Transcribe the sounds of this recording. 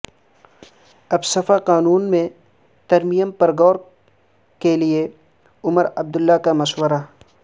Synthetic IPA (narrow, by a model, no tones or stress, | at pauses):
ɐbsɐfaqaːnuːnmẽ | t̪ɐɾmijəmpɐɾɡɔːɾ | kelie | ʊməɾɐb̚d̪ʊlːakamɐʃwəɾa